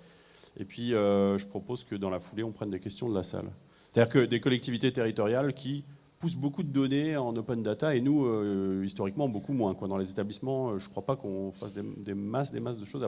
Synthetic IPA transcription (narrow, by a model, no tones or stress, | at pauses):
ḛpɥiøʒəpχɔpozkəd̪ɑ̃lafuleɔ̃pχɛnd̪ekʲɛst̪jɔ̃d̪əlasa̰l | sse̥t̪ad̪iʁkəd̪ekɔlɛk̚t̪ivit̪et̪eʁit̪ɔʁjalkʲi | pus̬bokud̪əd̪ɔneɑ̃nopɛnd̪at̪aenuøist̪ɔʁikmɑ̃bokumwɛ̃kwad̪ɑ̃lezet̪ablismɑ̃øʒəkχwapakɔ̃fasd̪ed̪emasd̪emasd̪əʃoza